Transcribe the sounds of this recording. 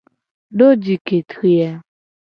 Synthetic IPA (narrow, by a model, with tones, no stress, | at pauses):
do˦d͡ʒi˨ke˨tɾi˦a˦